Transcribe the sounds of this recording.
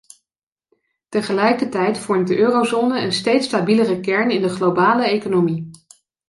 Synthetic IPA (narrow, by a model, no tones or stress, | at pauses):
təχəlɛjkətɛjtfɔɹmt̚dəʔøːrozoːnəənstejtstabilərəkɛɹnɪndəχlowbaːləejkonomi